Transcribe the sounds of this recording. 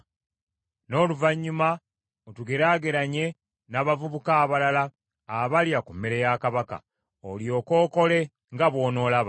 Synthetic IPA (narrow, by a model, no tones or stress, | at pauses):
no̞ːluvaɲːuma | otuɡeɾaɡeɾaɲe̞ | naːβavuβukaːβalalaː | βaljakumːeɾejakaβaka̰ | oljo̞ːko̞ːko̞le̞ | ŋɡaβwo̞ːno̞ːlaβa